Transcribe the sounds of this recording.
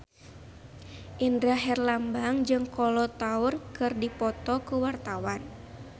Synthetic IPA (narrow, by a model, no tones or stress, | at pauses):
ʔindɾaɦɛrlambaŋd͡ʒɨŋkɔlɔt̪aurkɨrdipɔt̪ɔkuwart̪awan